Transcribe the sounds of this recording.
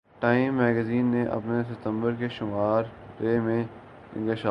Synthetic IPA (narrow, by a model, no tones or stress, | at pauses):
ʈaːɪmːɛːɡəziːnːeʔɐ̰pnesɪt̪ə̃mbəɾkeʃʊmaːɾ | ɾeːmẽ | ɡɐʃaː